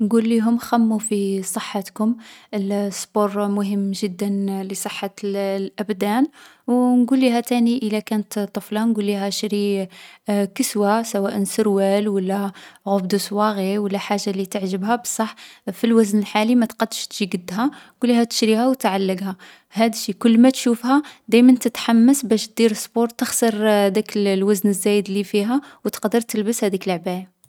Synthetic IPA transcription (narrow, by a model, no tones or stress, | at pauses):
nɡulːiɦʊmxæmːufisˤəħːət̪kʊməlsboɾˤmʊɦəmːʒəd̪ːənlisˤəħːɑlʔæbd̪æn | wnɡulːiɦæt̪æniʔəlækænət̪t̪ˤːəflɑnɡulːiɦæʃɾi | kəswasæwæʔənsəɾwælwəlːæɣʊbd̪uswɑɣiwəlːæħaʒːalit̪əʕʒəbhæbəsˤːɑħfilwæznəlħalimæt̪qɑd̪ːəʃt̪ʒiɡəd̪ːɦæɡulːihæt̪ə̥ʃɾihæwt̪ʕalːəɡhæ | hæd̪ʃikʊlːmæt̪ʃufhæd̪æjmənt̪ət̪ħamːəsbæʃt̪̚d̪iɾəsˤbuɾt̪əxsəɾˤd̪ækəllwæznəzːæjəd̪lːifiɦæwt̪ə̥qd̪əɾt̪əlbəshæd̪ikəlʕbæja